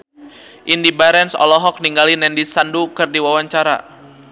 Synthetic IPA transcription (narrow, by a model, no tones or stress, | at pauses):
ʔindibaɾɛnsɔ̰lɔɦɔk̚niŋɡalinɛndisandukɨrdiwawaɲt͡ʃaɾa̰